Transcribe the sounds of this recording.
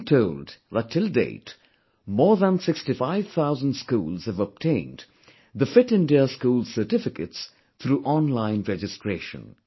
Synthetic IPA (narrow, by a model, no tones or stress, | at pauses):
tʰoʊldðətʰːɪldḛɪt | mɔːɹðə̃nsɪkstifaɪv̥t̪ʰaʊzə̃ndskṵːlˠz̥hɨvəb̚tʰẽɪ̃nd | ðəfɪtɪ̃ndiəskuːlˠsə˞ʈɪfɪkəts | t̪ʰɾuːʔɔ̃nlãɪ̃nɹɛd͡ʒɨstʰɹeːʃə̰̃n